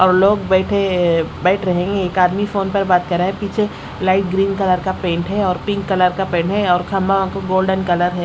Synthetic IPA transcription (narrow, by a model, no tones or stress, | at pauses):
ɔːɾloːɡ̚bɛːʈʰebɛːʈʰɾɐɦẽːŋɡeeːkaːd̪mifoːnpɐɾbaːt̪kɐɾaɦɛpiːt͡ʃʰe | laːɪʈ̚ɡɾiːnkɐləɾkapẽːɳʈɦɛɔːɾpɪ̃ŋkːɐləɾkapẽːɳʈɦɛɔːɾkʰɐmbaãkoɡoːlɖənkɐləɾɦɛː